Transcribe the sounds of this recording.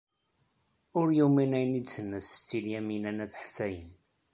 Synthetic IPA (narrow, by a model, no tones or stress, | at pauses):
ʊɾjuminæjnit͡sːənːəst͡sːiljæminænæθħsæjə̰n